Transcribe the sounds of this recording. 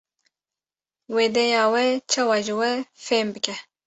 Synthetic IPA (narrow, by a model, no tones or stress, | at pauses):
weːd̪ɛjɑːwɛt͡ʃʰɑːwɑːʒɨwɛfeːmbɨkʰɛ